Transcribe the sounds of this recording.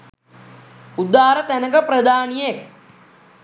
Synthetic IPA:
ud̪ːaːɾət̪ænəkəpɾɐd̪aːnijek̚

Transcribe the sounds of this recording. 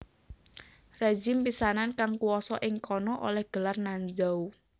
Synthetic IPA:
red͡ʒɪmpisanankaŋkuwɔsɔʔɪŋkɔnɔʔo̰lɛhɡ̥ə̤larnaɲd͡ʒau

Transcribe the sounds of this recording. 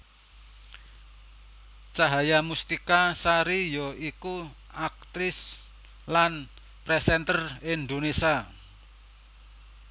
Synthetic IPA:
t͡ʃaɦajamust̪ikasaɾijɔʔiku | ak̚t̪ɾɪs | lan | pɾɛsɛnt̪ərɪnd̪onesa

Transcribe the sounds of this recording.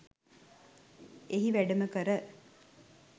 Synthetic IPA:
eɦiʋæɖəməkəɾə

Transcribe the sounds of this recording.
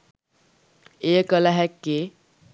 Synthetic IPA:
ekʌlaɦekːe

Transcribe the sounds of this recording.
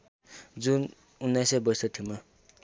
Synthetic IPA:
d͡zun | unːʌjsʌbʌjsʌt̪ʰima

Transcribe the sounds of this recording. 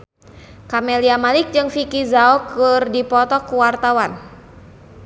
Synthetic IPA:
kamɛliamalik̚d͡ʒɨŋfikizaɔkɨrdipɔt̪ɔkuwart̪awan

